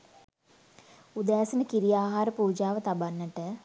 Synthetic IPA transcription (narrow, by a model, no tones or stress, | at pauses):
ud̪æːsənəkiɾijaːɦaːɾəpuːd͡ʒaːʋət̪abanːəʈə